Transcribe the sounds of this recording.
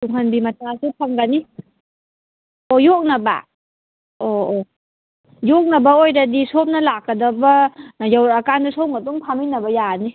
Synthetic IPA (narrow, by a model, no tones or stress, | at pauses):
tuŋɦʰanbimatʰaŋsɯpʰaŋɡani | ojɔk̚naba̰ | oo | jok̚nabaojdadisop̚nalakːadabajawɾakandasowŋɡatuŋpʰaminabajani